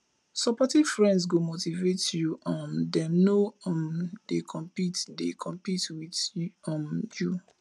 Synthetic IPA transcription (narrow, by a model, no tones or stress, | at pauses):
sɔpɔtiv̥fɹɛ̃nds̬ɡomotivetjuɔ̃mdɛmnoɔ̃mdekʰɔ̃mpitdekʰɔ̃mpitwidɔ̃mju